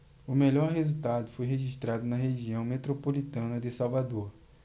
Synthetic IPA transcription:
ʊmeʎɔɾɦezut̪ad̪ʊfojɦeʒiʃt̪ɾad̪ʊnɐɦeʒiɐ̃w̃met̪ɾopolit̪ɐ̃nɐd̪ɪsawvad̪oɾ

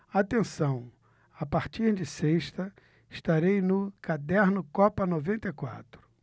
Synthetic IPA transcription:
at̪ẽsɐ̃w̃ | apaɾt͡ʃiɾd͡ʒɪseʃt̪ɐ | ɪʃt̪aɾejnʊkad̪ɛɾnʊkɔpɐnovẽnt̪ɐjkwa̰t̪ɾʊ

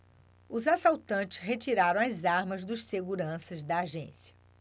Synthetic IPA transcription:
ʊzasawt̪ɐ̃t͡ʃɪ̥sɦet͡ʃiɾaɾɐ̃w̃ɐzaɾmɐzd̪ʊsseɡuɾɐ̃sɐzd̪ɐːʒẽsiɐ̥

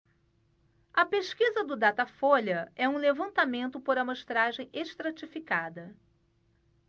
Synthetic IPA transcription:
ɐpeʃkizɐd̪ʊd̪at̪afoʎɐɛũlevɐ̃nt̪amẽnt̪ʊpoɾɐmoʃt̪ɾaʒẽj̃ʔeʃt̪ɾat͡ʃifikad̪ɐ

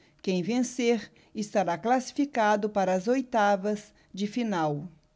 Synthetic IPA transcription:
kẽj̃vẽseɾ | ɪst̪aɾaklasi̥fikad̪ʊpaɾɐːzojt̪avɐz | d͡ʒɪfinaw

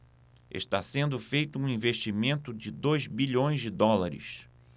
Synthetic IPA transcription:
ḛʃt̪asẽnd̪ʊfejt̪ʊũĩveʃt͡ʃimẽnt̪ʊd͡ʒɪd̪ojzbiʎõj̃zd͡ʒɪd̪ɔlaɾɪ̰s

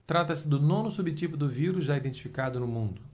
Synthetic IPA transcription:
t̪ɾat̪ɐsɪd̪ʊnõnʊsubɪt͡ʃipʊd̪ʊviɾuzʒaid̪ẽnt͡ʃi̥fikad̪ʊnʊmũnd̪ʊ

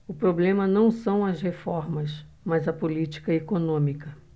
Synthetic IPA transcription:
ʊpɾoblẽmɐnɐ̃w̃sɐ̃w̃ɐzhefɔɾmɐs | mɐzɐpolit͡ʃi̥kɐekonõmikɐ

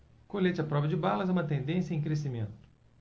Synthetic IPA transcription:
kolet͡ʃɐpɾɔvɐd͡ʒɪbalɐzɛũmɐt̪ẽnd̪ẽsjɐẽj̃k̬ɾes̬imẽnt̪ʊ̥

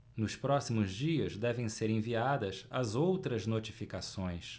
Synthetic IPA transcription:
nʊspɾɔsimʊzd͡ʒiɐzd̪ɛvẽj̃seɾẽviad̪ɐsɐzowt̪ɾɐznot͡ʃifikasõj̃s

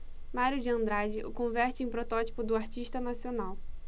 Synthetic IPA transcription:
maɾjʊd͡ʒɪɐ̃nd̪ɾad͡ʒɪʔʊkõvɛɾt͡ʃɪẽj̃pɾot̪ɔt͡ʃi̥pʊd̪ʊaɾt͡ʃiʃt̪ɐnasionaw

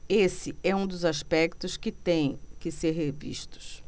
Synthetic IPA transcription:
esɪɛũd̪ʊzaspɛkt̪ʊskɪt̪ẽj̃kɪseɾɦevḭʃt̪ʊ̥s

